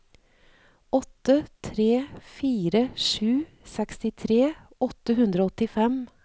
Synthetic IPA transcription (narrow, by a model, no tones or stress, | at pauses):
ɔt̪ːət̪ʰɾeːfiːɾəʂʉː | sɛkst̪ɪt̪ʰɾeːɔt̪əhʉnd̪ɾoːɔt̪ɪfɛm